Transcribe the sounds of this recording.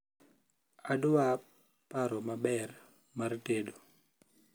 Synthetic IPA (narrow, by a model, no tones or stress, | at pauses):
adwa | paɾɔmabɛr | martedo